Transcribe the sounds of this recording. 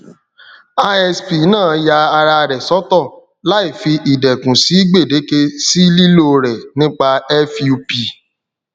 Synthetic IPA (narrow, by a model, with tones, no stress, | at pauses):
a˧ɛ˧spi˨˦nãː˦˨ja˧a˧ɾa˧ɾɛ˨sɔ˦tɔ˦˨ | la˦i˦˨fi˧ʔi˨dɛ˨kũ˨si˨˦i˦ɡ͡be˦˨de˨˦ke˧si˦li˦lo˦˨ɾɛ˨nĩ˦k͡pa˧ɛ˦fju˧pi˨